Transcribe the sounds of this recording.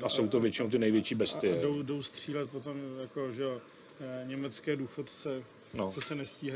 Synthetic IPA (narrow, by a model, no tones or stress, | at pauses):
ʔaso̞wt̪ovjɛt͡ʃɪnowt̪ɪnɛjvjɛt͡ʃiːbɛst̪ɪdowdo̞wst̪r̝̥iːlɛt̪̚po̞t̪o̞mjako̞ʒɛo | ɲɛmɛt͡skɛːduːxot̪t͡sɛ | not͡sosɛnɛsciːɦa